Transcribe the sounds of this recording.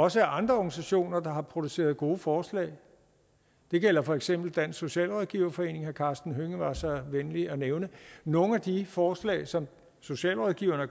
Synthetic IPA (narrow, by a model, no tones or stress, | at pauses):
ɒ̽səæɐʔɑ̈nd̥ʁɐɒɡ̥nisæɕo̝̰ːnɐd̥ɑ̈ɦɑ̈pʰʁo̝d̥use̝̰ːɐðˠɡ̥o̝ːəfɒːslɛ̰ːɪ | d̥e̝ɡ̥el̰ɐfɒ̽eɡ̥sem̰b̥l̩d̥æn̰so̝ɕɛ̰ːlʁɒðˠɡ̥iʊɐfɒ̽e̝̰ːne̝ŋhæɐkʰɑ̈ːsd̥n̩ɦøŋəʋɑ̈sɒʋenliɒneʊnəno̝ːŋ̩æd̥ifɒːslɛ̰ɪsɒ̽m | so̝ɕɛ̰ːlʁɒðˠɡ̥iʊ̰ɐnə